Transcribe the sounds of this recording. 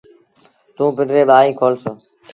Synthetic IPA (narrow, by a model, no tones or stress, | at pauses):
t̪ũːpɪɖɾeːɓaːĩːkʰoːlsoː